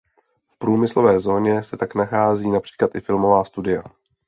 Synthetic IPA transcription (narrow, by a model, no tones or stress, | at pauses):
fpɾuːmɪslo̞vɛːzo̞ːɲɛsɛt̪aknaxaːziːnapr̥i̥ːklat̪ɪfɪlmo̞vaːst̪udɪja